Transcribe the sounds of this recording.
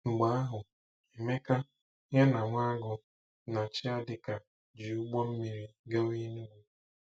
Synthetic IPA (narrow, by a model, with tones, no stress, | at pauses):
ŋ͡m̩˨ɡ͡ba˨˦a˦ɦʊ˨ | e˨me˦ka˦ | ɲa˦na˨ŋʷa˦ɡʊ˨ | na˨t͡ʃɪ˦a˦dɪ˨ka˨ | d͡ʒi˨u˦ɡ͡bɔ˦m̩˦mi˨ɾi˦ɡa˦wi˦nu˦wʷu˨˦